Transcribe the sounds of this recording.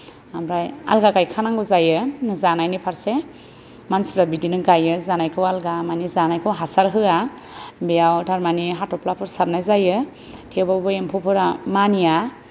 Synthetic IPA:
amɾaja̰lɡakajkʰanaŋɡɯzajɯzanajnipʰaɾse | manspʰɾabidinɯɡajɯzanajkʰɯwalɡamanizanajkʰɯwɦasaɾɦɯa | bejawdʰaɾmaniɦatɔplapʰɯɾsatnajzajɯ | tʰebabɯjempʰɔpʰɯɾamanija

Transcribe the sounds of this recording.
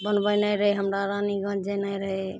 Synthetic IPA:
bənbəjnajɾəɦɛɦəmɾaɾaniɡə̃d͡ʒenajɾəɦɛ

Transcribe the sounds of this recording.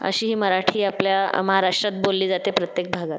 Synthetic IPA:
ə̰ɕiːɦiːməɾaʈʰiːapljaməɦaɾaʂʈɾat̪̚bolːiːd͡zat̪epɾət̪jek̚bʱaɡat̪

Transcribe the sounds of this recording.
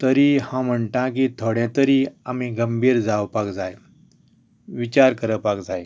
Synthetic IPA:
t̪əɾiːhãm̤əɳʈ̪ãk̬it̪ʰoɽɛ̃t̪əɾiːamiɡəmbʱiːɾd͡zaʋpakd͡zaj | ʋit͡ɕaɾkəɾəpakd͡zaj

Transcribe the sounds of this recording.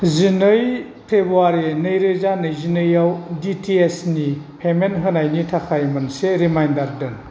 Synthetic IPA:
zinɯj | pʰɾebuaɾenɯjɾɯzanɯjzinɯjawditʰiesnipʰemenɦɯnajnitʰakʰajmɯnseɾimajndaɾdɯn

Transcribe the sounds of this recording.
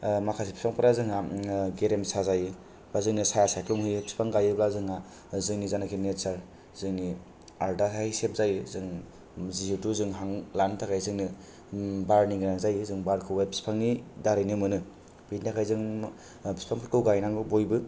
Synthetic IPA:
makʰasipi̥spaŋpʰaɾazɯŋaɡeɾemsazajɯ | bazɯŋnɯsajasajkluŋhɯjbi̥spʰaŋɡajɯblazɯŋa | zɯŋnizanakʰinetsaɾ | z̥ɯŋni | aɾdasahisep̚zajɯzɯŋ | zizituzɯŋɦaŋlantʰakʰajzɯŋni | baɾniŋɡɾaŋzajɯzɯŋbaɾkʰɯwajbi̥spʰaŋidaɾɯjnɯmɯnɯ | bintakʰajzɯŋ | bi̥spʰaŋpʰɯɾkʰɯwɡajnaŋɯbojbɯ

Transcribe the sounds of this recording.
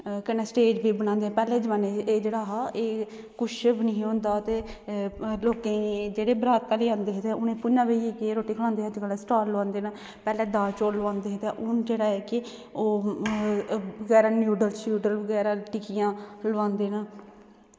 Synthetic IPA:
kənːeːsʈeːd͡ʒbiːbəñãːnd̪eːɛ̃ːpɛːleːd͡ʒəʋãːneeːd͡ʒeːɽaːɦaːʔeː | kʊʃbnəɦĩɦõnd̪aːt̪eː | loːkẽd͡ʒeːɽeːbɾaːt̪ːaːleːãːnd̪eːɦet̪ɛ̃ːʊnẽːpʊnãːʋeieːkːɾoːʈiːkʰlãːnd̪eːəd͡ʒkəlɛːsʈaːlːʋãːnd̪eːnaː | pɛːlɛːd̪aːt͡ʃoːlʋãːnd̪eːɦet̪ɛ̃ʔʊnd͡ʒeːɽaːɛːkɪ | oː | əɡɛːɾaːnjuːɖəlsjuːʈəlbəɡɛːɾaːʈɪkijãːləʋãːnd̪eːnaː

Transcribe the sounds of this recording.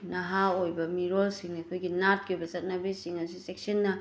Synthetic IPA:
nɐɦaojbɐmiɾolsiŋnɐkʰojɡinat̚kiojbɐsɐt̚nɐbisiŋɐsisek̚sɐnːɐ

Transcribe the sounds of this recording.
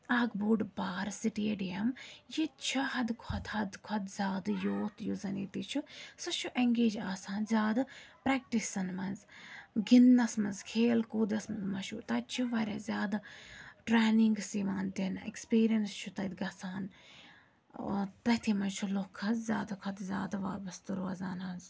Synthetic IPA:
aːɡbuːɖbaːɾsiʈieɖiɐmjit͡ʃʰɐhɐd̪kʰɐt̪hɐd̪kʰɐd̪zʲaːd̪joːt̪juzɐnḭːt̪it͡ʃʰusɐt͡ʃʰuʔeŋɡeːd͡ʒaːsaːnzʲaːd̪pɾɛːk̚ʈisɐnmɐnzɡinːɐsmɐnzkʰeːlkoːd̪ɐsmɐnzmɐʃut̪ɐt͡ʃʰuʋɐɾʲɐzʲaːd̪ʈɾeːniŋɡsiːmaːnd̪inḛkspiːɾijɐnst͡ʃʰut̪ɐd̪ɡɐsaːn | t̪ɐt̪ʰimɐnt͡ʃʰulokʰːɐzzʲaːd̪ɐkʰɐd̪zʲa̰ːd̪aʋaːbɐst̪ɨɾoːɐzaːnɦɐnz

